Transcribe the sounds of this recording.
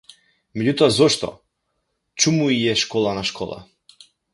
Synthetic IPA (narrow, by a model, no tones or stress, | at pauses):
mɛɟut̪ɔazɔʃt̪ɔ̰ | t͡ʃumuiɛʃkɔlˠanaʃkʰɔ̰lˠa̰